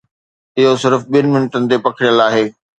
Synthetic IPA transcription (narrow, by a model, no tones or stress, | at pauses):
ɪɦosɪɾəfɓijənɪ̆mɪnʈənɪ̆t̪epɐkʰɪɽjəlaːɦeː